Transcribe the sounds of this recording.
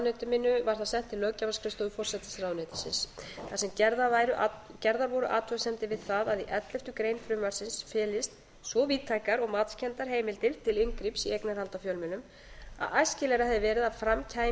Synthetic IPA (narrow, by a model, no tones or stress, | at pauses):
nɛt̪ʏmɪnːʏvaɾ̥θaðsɛn̥t̪ʰːɪlːœːcavaskʰɾɪst̪ɔʏfɔr̥sɛt̪ɪsraːwnɛt̪ɪsɪ̰nsθasɛmcɛɾðavajɾʏʔacɛɾðaɾvɔɾʏʔa̰ːt̪ʰvœsɛmt̪ɪvɪð̥θaðaðiʔɛt̪lɛft̪ʏkɾejnfɾʏmvaɾ̥sɪnsfɛːlɪst̪ | svɔviːt̪ʰːaːjkaɾɔɣmaːt̪scʰɛnt̪aɾ̥ɦeːjmɪlt̪ɪlt̪ʰɪlɪŋkɾipsiejknaɾhalt̪afjœlmɪnʏm | a̰ðajscɪlɛɾahɛðɪvɛːɾɪðaðfɾamcʰaːj